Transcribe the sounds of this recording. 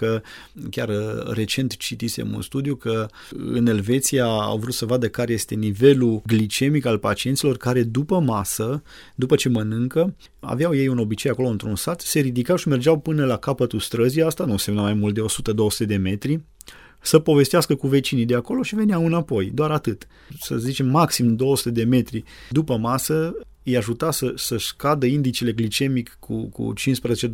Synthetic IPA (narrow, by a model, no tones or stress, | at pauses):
kə | kʲarre̞t͡ʃe̞nt̪t͡ʃit̪isḛmṵnst̪ud̪ijukə | ɨ̰ne̞lve̞t̪sijaa̰wvɾut̪səvad̪əkaɾe̞je̞st̪e̞nive̞luɡlit͡ʃe̞mikalpat͡ʃient̪silo̞rkaɾe̞d̪upəmasə | d̪upət͡ʃe̞mənɨŋkə | a̰veawje̞juno̞bit͡ʃe̞jako̞lo̞ɨnt̪ɾunsat̪se̞ɾid̪ikawʃime̞rd͡ʒawpɨnəlakapət̪ust̪ɾəziast̪anusemnəmajmult̪̚d̪eo̞sut̪əd̪o̞wəsu̥t̪ed̪e̞me̞t̪ɾi | səpo̞ve̞st̪easkəkuve̞t͡ʃinid̪eako̞lo̞ʃive̞neawɨnapo̞jd̪oaɾat̪ɨt̪ | səzit͡ʃe̞mːaksimd̪o̞wəsu̥t̪ed̪e̞me̞t̪ɾid̪upəmasə | ɨjaʒut̪asəsəʃkad̪əind̪it͡ʃele̞ɡlit͡ʃe̞mikʰː | ṵkṵt͡ʃinspɾəzet͡ʃe